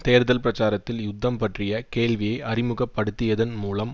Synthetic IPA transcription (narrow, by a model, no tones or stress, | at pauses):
t̪eːɾðɐlpɾɐt͡ʃaːɾɐt̪ːɪljʊd̪ʱːɐmpɐʈrɪjɐkeːɭʋɪjɐɪʔɐrɪmɯɣɐpːɐɽɯt̪ːɪjɐðɐnmuːlɐm